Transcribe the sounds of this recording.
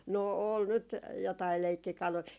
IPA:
no ol nyt jotɑi leikːikɑlui

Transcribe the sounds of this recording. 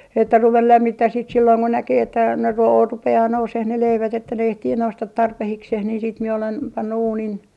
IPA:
etːæ ruʋel læmːitːæh siːt silːoiŋ ko nækeː etːæ ne ruo rupeɑː nouseh ne leiʋæt etːæ ne ehtiː noustɑt tɑrpehikseh niːn siːt mie olen pɑnːu uːnin

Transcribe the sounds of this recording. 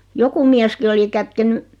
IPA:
joku miæski oli kætkeny

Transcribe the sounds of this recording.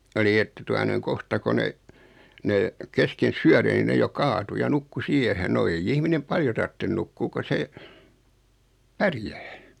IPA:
oli etːæ tuɑ noiŋ kohtɑ ko ne ne kesken syære ni ne jo kɑːtu jɑ nukːu siehen no eij ihminem pɑljo tɑrtːen nukːuː ko se pærjæː

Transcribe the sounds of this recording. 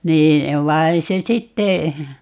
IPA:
niː ʋɑi̯ se sitːe

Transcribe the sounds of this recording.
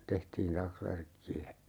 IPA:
tehtiːn tɑksʋærkːiæ

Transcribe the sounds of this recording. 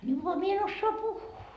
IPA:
ni ʋoɑ mie en osːoɑ puhːuː

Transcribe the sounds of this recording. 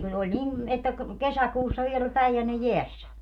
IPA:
kun olʲ nim etːæ k kesækuːsːɑ ʋiel olʲ pæijænːe jeæsːæ

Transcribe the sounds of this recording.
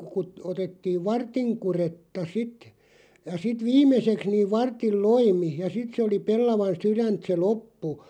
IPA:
ku kut otetːiːʋ ʋɑrtiŋ kuretːɑ sit jɑ sit ʋimˑeseks niːʋ ʋɑrtːil loimi jɑ sit se oli pelːɑʋɑn syrænt se lopːu

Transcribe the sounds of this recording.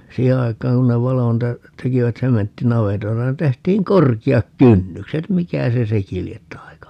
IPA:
siːhe ɑikˑɑːŋ ku ne ʋɑlo niːtæ tekiʋæt sementːinɑʋetoitɑ ni tehtiːŋ korkiɑk kynːykset mikæ se seki liet tɑi̯kɑ

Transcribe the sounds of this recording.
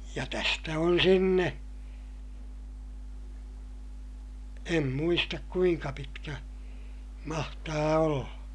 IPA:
jɑ tæstæ on sinːe em muistɑk kuiŋkɑ pitkæ mɑhtɑː olːɑ

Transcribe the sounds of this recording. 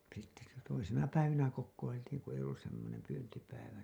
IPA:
sitːe sitæ toisinɑ pæiʋinæ kokːoiltiːŋ ku ei olːus semːonem pyːntipæiʋæ

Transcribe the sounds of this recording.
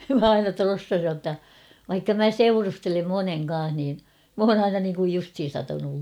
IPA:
mæ ɑinɑ trosːɑsij jotːɑ ʋɑikːɑ mæ seurustelem moneŋ kɑ̃ːh niːn m oːn ɑinɑ niːŋkuj justhin̞ sɑtɑnul

